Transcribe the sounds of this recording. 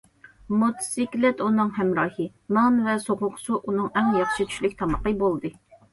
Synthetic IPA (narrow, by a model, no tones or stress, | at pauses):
mut̪ʰsikʲlɛt̪unɨŋɦɛmɾɑːhɨ | nɑnvɛsoʁʊqsuʔunɨŋɛŋjɑχʃit̪ʰy̥ʃlykʲt̪ʰɑmɑqːəbolˠd̪ɨ